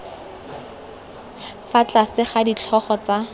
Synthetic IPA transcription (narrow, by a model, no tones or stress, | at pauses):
fat͡ɬasɪχadit͡ɬʰɔχɔt͡sa